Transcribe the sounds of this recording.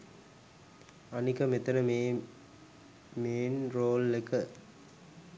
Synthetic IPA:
ɐnikɐmet̪ɐnɐmeː | meːnɾoːlːekə

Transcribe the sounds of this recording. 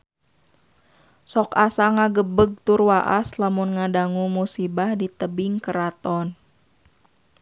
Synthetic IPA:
sɔkasaŋaɡəbəɡ̚t̪urwaʔaslamunŋadaŋumusibahdit̪əbiŋkəɾat̪ɔn

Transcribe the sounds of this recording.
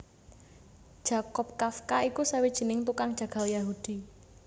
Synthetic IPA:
d̥ʒ̥a̤kɔp̚kafkaikusawid̥ʒ̥i̤nɪŋt̪ukaŋd̥ʒ̥a̤ɡ̥a̤ljaɦud̪̥i̤

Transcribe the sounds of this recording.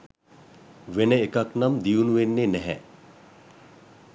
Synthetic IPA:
ʋenəekaknamd̪ijunuʋenːenɛɦɛ̰

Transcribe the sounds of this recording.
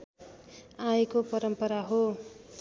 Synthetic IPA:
ãjekopʌɾʌmpʌɾaɦo

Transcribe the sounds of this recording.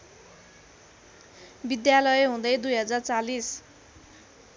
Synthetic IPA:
bid̪jalʌjɦũd̪ʌjd̪ujɦʌd͡zart͡salis

